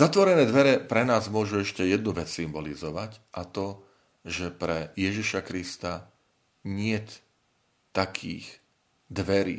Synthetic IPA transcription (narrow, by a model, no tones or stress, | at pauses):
zat̪ʋɔɾɛnɛːd̪ʋɛɾɛpɾɛnaːzmʊɔʒuɛʃcɛjɛd̪̚nuʋɛt͡ssimbɔlizɔʋacʔat̪ɔ | ʒɛpɾɛjɛʒiʃakɾist̪a | ɲɪɛt̪ | t̪ːakʰḭːx | d̪ʋɛɾḭː